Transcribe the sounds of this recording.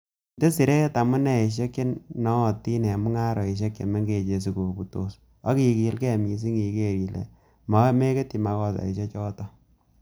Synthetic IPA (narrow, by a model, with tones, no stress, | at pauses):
nde˦si˨ɾe˦ta˨mu˦nɛ˨i˨ʃ̬e˦ke˦nnɔ˦˨ti˦nɛ˨mu˦ŋa˦ɾɔ˨i˨ʃ̬e˦kjḛ˨me˦ŋɡe˨t͡ʃe˨si˨ko˨bu˨to˨s | a˦ki˨ki˨˦lkɛ˦˨mi˨s̬i˦ŋi˨ke˦˨ɾi˨lḛ˨ | ma˦me˦ke˦ti˨ma˨kɔ˦ta̰˨i˨ʃ̬ɛ˦t͡ʃɔː˦tɔ˦